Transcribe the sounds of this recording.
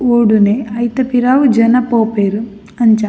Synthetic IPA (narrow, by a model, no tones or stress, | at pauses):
oːɽuneɐjt̪ɐpiɾaːʋud͡ʒɐnɐpoːpeɾu | ɐɲt͡ʃa